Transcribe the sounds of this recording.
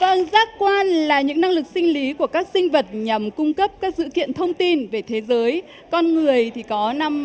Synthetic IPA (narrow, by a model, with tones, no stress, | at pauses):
və˨˧˩ŋzaː˦˥k̚kwaː˧nlaː˨˩ɲɨ̰˧˥ŋna˧ŋlɨ˨˩k̚sï˧ŋ̟li˨˦ku˧˩əkaː˦˥k̚sï˧ŋ̟və˨˩t̚ɲa˨˩mkʊ˧ŋ͡mkə˦˥p̚kaː˦˥k̚sɨ̰˧˨kḭ˧˨ənt̪ʰə˧wŋ͡mt̪i˧nve˨˩t̪ʰe˨˦zəː˨˦j | kɔ˧nŋɨ˨˩əjt̪ʰi˨˩kɔ˨˦na˧m